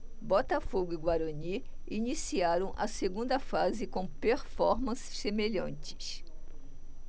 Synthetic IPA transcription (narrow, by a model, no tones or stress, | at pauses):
bɔt̪ɐfoɡʊiɡwaɾoniinisiaɾɐ̃w̃ʔɐ̰seɡũnd̪ɐfazɪkõpeɾfɔɾmɐ̃ssemeʎɐ̃nt͡ʃɪ̥s